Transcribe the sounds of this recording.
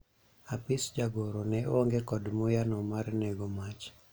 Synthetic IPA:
apɪsd͡ʒaɡoɾɔnɛʔoŋɡekɔdmojanɔmaɾnɛɡomat͡ʃ

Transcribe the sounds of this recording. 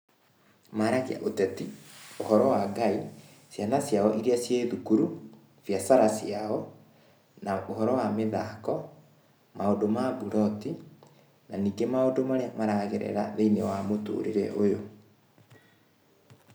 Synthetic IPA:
maɾaɣea̰ʔotɛtiohɔɾɔwaɡai | sjanasjaɔʔiɾiasjeːðukuɾu | fjasaɾasjaɔ | naʔohɔɾɔwameðakɔ | maondomabuɾɔti | naniːɡemaodomaɾeamaɾaɣeɾɛ̰ɾa̰ðeinewamoto̰ɾeɾɛ̰ʔojo

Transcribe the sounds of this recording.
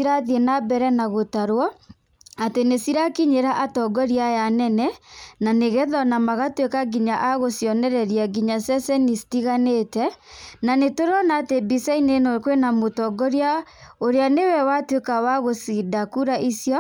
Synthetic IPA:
iɾaðienabɛɾɛnaɣotaɾwɔ | atenesiɾakiɲeɾaʔatɔɡɔɾiajanɛnɛnaneɣɛðɔnamaɣatwekaɡiɲaʔaɣosjɔnɛɾɛɾiaɡiɲasɛsɛnistiɣaneːtɛnanetoɾɔnaːtebisainenokwenamotɔɡɔɾjaoɾeanewɛwatwekawaɣosidakuɾaʔisjɔ

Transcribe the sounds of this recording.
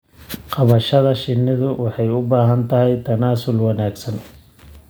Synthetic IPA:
qɑβɐʃɐðɐʃɪnːɪðʊwʔɑħɑjʊbaːɦɐnt̪ʰɐɦɛjt̪ʰɐnaːsʊlwɑnaːɡsɐn

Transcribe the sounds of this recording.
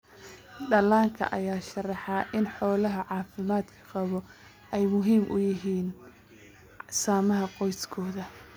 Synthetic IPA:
ɖɐlaːŋkʰɐ̰ʔɐ̰jaːʃɐrɑħɑʔɪnħɔːlɐɦɐʕɑːfɪmaːd̪kʰɐ̥qɑβɔ | ɛjmʊɦiːmʔʊ̰jɪɦiːn | saːmɐɦɐqɔjskʰɔːðɐ

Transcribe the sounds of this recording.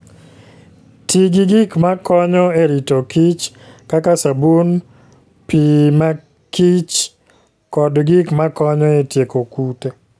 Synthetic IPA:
tiɡiɡikmakɔɲɔeɾitokit͡ʃ | kakasabun | pima | kit͡ʃ | kɔdɡikmakɔɲɔetjekokute

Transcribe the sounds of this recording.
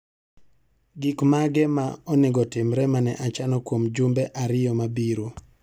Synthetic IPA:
ɡɪkmaɡɛmaɔneɡɔtɪmɾɛmanɛʔat͡ʃanɔkwomd͡ʒumbɛʔaɾɪjɔmabiɾo

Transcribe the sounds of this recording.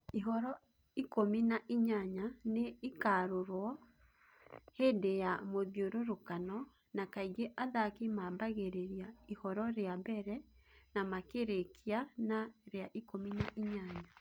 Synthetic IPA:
iɦɔɾɔ | ikominaʔiɲaɲaneikaːɾoɾwɔ | hendejamoðjoɾoɾokanɔ | nakaiɡeʔaðakemabaɣeɾeɾiaihɔɾɔɾeabɛɾɛnamakeɾekianaɾeaʔikominaʔiɲaɲa

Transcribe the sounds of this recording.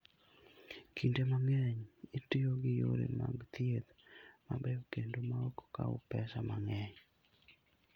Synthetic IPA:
kʰindemaŋɛɲɪtɪjoɡɪjo̰ɾḛmaɡt̪ied̪mabeokendomaoko̥ka̰o̰pɛsamaŋɛɲ

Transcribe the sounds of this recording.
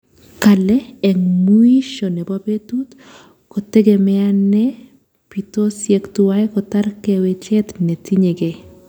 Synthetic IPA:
kalɛɛŋmuiʃonɛbabetut | kotɛɡemɛanɛ | pitosjektuwajkɔtarkɛwet͡ʃɛt̪netiɲeɡe

